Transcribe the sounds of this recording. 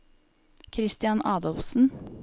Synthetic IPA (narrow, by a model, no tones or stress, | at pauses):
kʰɾɪst̪ɪjɑnʔɑːd̪ɔlfsn̩